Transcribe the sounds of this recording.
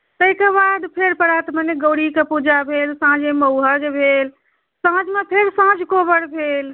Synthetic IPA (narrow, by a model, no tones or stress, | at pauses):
t̪əikebad̪pʰeɾpəɾat̪məneɡəɽikepud͡ʒabʱelsãd͡ʒeməʊɦəɡbʱel | sãd͡ʒmepʰeɾsãd͡ʒʱkobəɽbʱel